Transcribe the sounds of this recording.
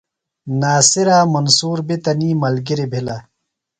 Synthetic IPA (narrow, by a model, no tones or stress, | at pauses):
naːsiɾaːmɐnsuːɾbit̪ɐniːmɐlɡiɾibʱila